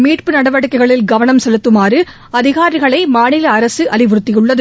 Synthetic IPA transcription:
miːʈpɯnɐɽɐʋɐɽɯkːɐɪɣɐɭɪlɡɐʋɐnɐmsɛlɯt̪ːɯmaːrɯ | ɐðɪɣaːɾɪɣɐɭɐɪmaːnɪlɐːɾɐsɯʔɐlɪʋʊɾɯt̪ːɪjɯɭːɐðɯ

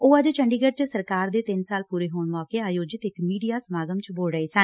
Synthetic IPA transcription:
oːəd͡ʒt͡ʃʰəɳɖiːɡəɖt͡ʃsəɾkaːɾd̪eːt̪ɪnsaːlpuːɾeːɦoːɳʋaːkeːaːjoːd͡ʒɪt̪ɪkmiːɖijaːsəmaːɡəmt͡ʃboːlɾəeːsən

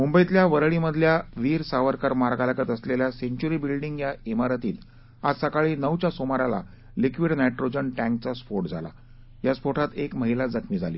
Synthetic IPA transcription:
mumbəjt̪ljaʋəɾɭiməd̪ʱljaʋiːɾsaʋəɾkəɾmaɾɡaləkət̪əsleljaseɲt͡ɕuɾibilɖiŋɡjaimaɾət̪iːt̪ | ad͡zsəkaɭiːnəwt͡ɕasomaɾala̰ | likʋiɽnajʈɾod͡ʑənʈæ̃ŋkt͡saspoɾʈd͡zʱala̰ | jaspoɾʈʰat̪ekməɦilad͡zəkmiːd͡zʱalḭː

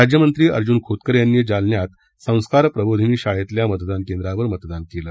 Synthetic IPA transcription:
ɾad͡ʑjəmənt̪ɾiːə̰ɾd͡ʑuːnkʰot̪kəɾjanːjid͡zalnjat̪ | sə̃w̃skaɾpɾəbod̪ʱiniːɕaɭet̪ljamət̪d̪ankend̪ɾaʋəɾmət̪d̪ankeləː

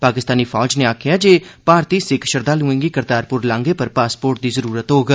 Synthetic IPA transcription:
paːkɪst̪aːniːpʰɔːd͡ʒneːaːkʰɪjaːd͡ʒeːpaːɾt̪iːsɪkʰʃəɾd̪aːlũːɪ̃ŋɡiːkɪɾd̪aːɾpʊɾlãːŋɡeːpəɾpaːspoːɾʈ̚d̪iːzəɾuːɾət̪ɦoːɡ

